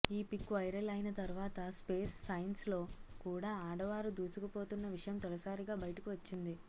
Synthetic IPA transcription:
iːpikːʋɐjɾɐlɐjinɐt̪ɐɾuʋaːt̪ɐspe̞ːsːɐjnslo̞ːkuːɽaːaːɽɐʋaːɾud̪uːsukupo̞ːt̪unːɐʋiʂɐjɐmt̪ɔlɐsaːɾiɡaːbɐjɐʈɐkuʋɐt͡ʃːind̪i

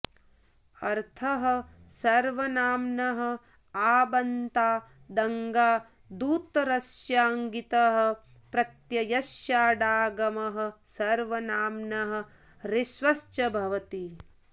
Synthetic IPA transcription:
ɐɾt̪ʰɐɦɐ̆ | sɐɾʋɐnaːmnɐɦɐ̆ | aːbɐnt̪aː | d̪ɐŋɡaː | d̪uːt̪ɾɐsjaːŋɡit̪ɐɦɐ̆ | pɾɐt̪jɐjɐʃjaːɖaːɡɐmɐɦɐ̆sɐɾʋɐnaːmnɐɦɐ̆ | ɾiʃʋɐst͡ʃɐbʱɐʋɐt̪i

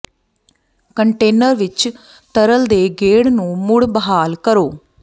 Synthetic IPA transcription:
kəɳʈeːnəɾʋɪt͡ʃ | t̪əɾəld̪eːɡeːɽnũːmʊɽbəɦaːlkəɾoː

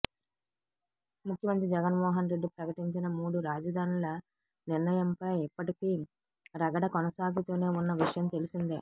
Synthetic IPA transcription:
mukʰːjɐmɐnt̪ɾid͡ʒɛɡɐnmɔːɦɐnɾe̞ɖːipɾɐkɐʈiɲt͡ʃinɐmuːɽuɾaːd͡ʒɐd̪ʱaːnilɐ | niɾnɐjɐmpɐjipːɐʈikiː | ɾɐɡɐɽɐkɔnɐsaːɡut̪uːne̞ːunːɐʋiʂɐjɐmt̪e̞lusind̪eː

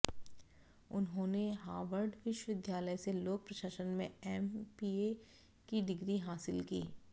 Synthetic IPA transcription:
ʊnɦõːneɦaːʋəɾɖʋɪʃwʋɪd̪jaːləjseloːk̚pɾɐʃaːʃənmẽɛːmpiːe | kiɖɪɡɾiɦaːsɪlkḭː

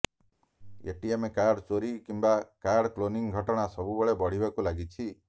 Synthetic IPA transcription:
ḛʈiemekaɾɖt͡ʃoɾikimbakaɾɖkloniŋɡʱɔʈɔɽ̃asɔbubeɭebɔɽ̤ibakulaɡit͡ʃʰi

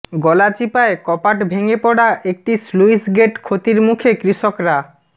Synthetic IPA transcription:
ɡɔlat͡ɕipaekɔpaʈbʱeŋepɔɽaʔek̚ʈisluisɡeʈkʰot̪iɾmukʰekɾiʃokɾa

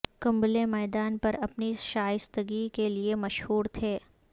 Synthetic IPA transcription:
kɐ̃mblemɛːd̪aːnpɐɾɐpniʃaːjɪst̪əɡikeliemɐʃhuːɾt̪ʰeː

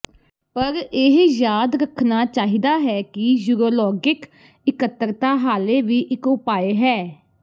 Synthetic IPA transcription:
pəɾeɦjaːd̪ɾəkʰnaːt͡ʃaːɦiːd̪aːɦɛːkɪjuːɾoːlɔːɡɪk | ɪkət̪ːəɾt̪aːɦaːleːʋiːʔɪkʊpaːeːɦɛː

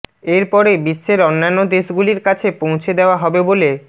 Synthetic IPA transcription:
eɾpɔɾebiʃːeɾonːanːod̪eʃɡuliɾkat͡ɕʰepõw̃t͡ɕʰed̪eoaɦɔbebole

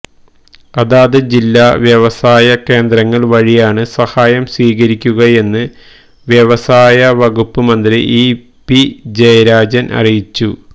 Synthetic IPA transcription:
ɐðaːðɨd͡ʑilːaʋjeʋɐsaːjɐke̞ːnd̪rɐŋːɐɭʋɐɻijaːɳɨsɐhaːjɐmsiːɣɐɾikʲːuɣɐje̞nːɨ | ʋjeʋɐsaːjɐʋɐɣupːɨmɐnd̪ɾiʔiː | pid͡ʑɐjɐɾaːd͡ʑɐnʔɐ̰rijit͡ɕːu

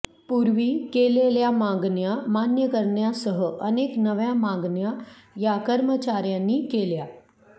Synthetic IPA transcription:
puɾʋiːkeleljamãŋɡɳjamanjəkəɾɳjasəɦəʔəneknəʋjãmãŋɡɳjajakəɾmət͡ɕaɾjãnːiːkelja

